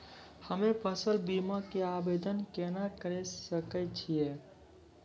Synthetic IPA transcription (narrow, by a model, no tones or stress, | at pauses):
həmepʰəsəlbimakeabed̪ənkenakəɾɛsəkɛt͡ʃʰije